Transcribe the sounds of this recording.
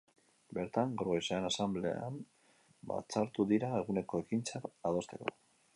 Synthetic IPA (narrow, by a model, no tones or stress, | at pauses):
be̞ɾt̪aŋɡaɾɣejsaenasamble̞̰a̰m | ba̰t͡saɾt̪uðiɾaeɣ̞une̞ko̞e̞kint͡saɾað̞o̞st̪e̞ko̞̰